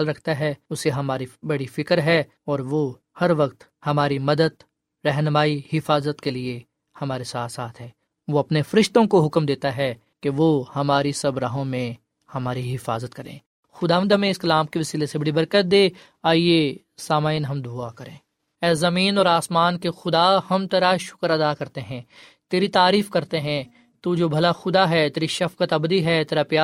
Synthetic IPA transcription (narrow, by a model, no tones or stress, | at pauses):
alɾɐkʰt̪aɦɛʊseɦɐmaːɾibɐɽifɪkəɾɦɛ | ɔːɾʋo | hɐɾʋɐq̚t̪ | hɐmaːɾimɐd̪əd̪ | ɾɛɦnəmaːihɪfaːzət̪kelie | hɐmaːɾesaːt̪ʰsaːt̪ʰɦɛː | ʋoɐpnefɐɾɪʃt̪õkoɦʊkmd̪eːt̪aɦɛ | keʋohɐmaːɾisɐbɾaːɦõmẽ | hɐmaːɾiɦɪfaːzət̪kɐɾḛ̃ː | xʊd̪aːʋə̃nd̪ʱmẽɪskɐlaːmkeʋɐsiːlesebɐɽibɐɾkət̪̚d̪eː | aːie | saːmaːɪnɦɐmd̪ʱuakɐɾẽː | ɛːzɐmĩːnɔːɾaːsmaːnkexʊd̪ahɐmt̪eːɾaʃʊ̥kəɾɐd̪akɐɾt̪eɦɛ̃ːt̪eːɾit̪aːɾiːfkɐɾt̪eɦɛ̃ | t̪ud͡ʒoːbʱɐlaxʊd̪aɦɛt̪eːɾiʃɐfkət̪ɐbd̪iɦɛt̪eːɾapjaː